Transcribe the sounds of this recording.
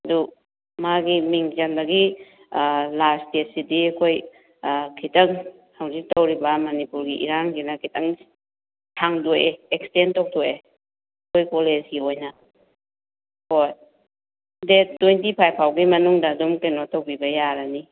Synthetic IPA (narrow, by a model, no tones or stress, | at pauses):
ɐdu | maɡimiŋzandaɡi | lastesidiɐkʰoj | kʰitʰɐŋ | hawzik̚tɐwɾibɐmanipuɾɡiʔḭɾanɡinakʰitʰɐŋ | tʰaŋdoʔeek̚stentɔk̚tʰɔe | ɐkʰojkolesɡiojnɐ | hoj | det̚d̥ojntipʰajpʰawɡimɐnuŋdɐːdumkenotowbibɐjaɾani